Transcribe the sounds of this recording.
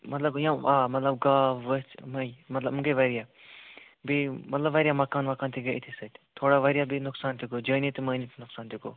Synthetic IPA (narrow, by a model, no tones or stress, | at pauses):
mɐt̪lɐbjãaːmɐt̪lɐb̚ɡaːʋət͡ʃmɐjmɐt̪lɐbmuŋɡəʋɐɾijaː | bimɐt̪lɐbʋɐɾjaːmɐkaːnmɐkaːnt̪ʰiɡɐit̪ʰisɐt̪ʲt̪ʰoːɽaʋɐɾijaːbinʊksaːnt̪ʰiɡod͡ʒəːnit̪iməːnit̪ʰnʊksaːnt̪ʰiko̰ː